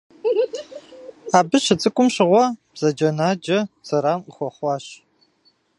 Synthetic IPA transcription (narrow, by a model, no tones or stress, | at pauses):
aːbɨɕɪt͡sʼɨkʷʼʊmɕɪʁʷɔb̥z̥ɐd͡ʒɐnaːd͡ʒɐz̥ɐɾaːməxʷɔχʷɑːɕ